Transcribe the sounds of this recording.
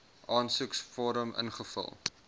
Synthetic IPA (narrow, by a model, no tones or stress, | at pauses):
ʔɑːnsuksfɔɾəmə̰nχəfə̰lˠ